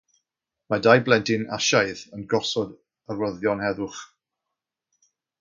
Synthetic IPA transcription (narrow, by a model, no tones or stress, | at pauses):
madajblɛntʰɪna̰ʃajðənɡɔsɔd | ərwəðjɔnhɛðʊχ